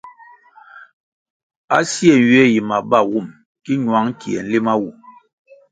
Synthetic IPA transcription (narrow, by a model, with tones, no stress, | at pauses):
a̰˦si˦ɛ˨n˨ɥe˦ji˨ma˨ba˦˨wu˦˨m | ki˦ɲwa˨˦ŋ˦ki˨ɛ˨n̩˦li˦ma˦wu˨